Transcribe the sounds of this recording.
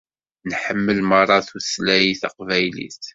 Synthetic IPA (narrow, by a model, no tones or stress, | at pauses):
nħəmːəlmərˤːɑθuslæjiθɑ̰qvæjlḭθ